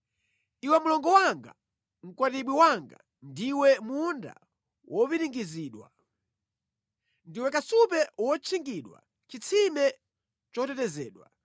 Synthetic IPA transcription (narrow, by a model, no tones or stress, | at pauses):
iwɛmulɔŋɡɔwaŋɡa̰ | m̩kwatiɓwiwaŋɡa̰ | ndiwɛmunda̰ | wʔɔpiɾiŋɡiziːɗwa̰ | ndiwɛkasupɛwɔt͡ʃʰiŋɡiɗwa̰ | t͡ʃit͡sʰimɛ | t͡ʃɔtɛtɛzɛːɗwa̰